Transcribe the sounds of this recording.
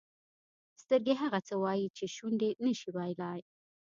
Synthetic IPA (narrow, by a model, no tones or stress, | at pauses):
st̪əɾɡʲeɦaɣat͡sɐwaːjit͡ʃeʃundenɐʃibajlaːj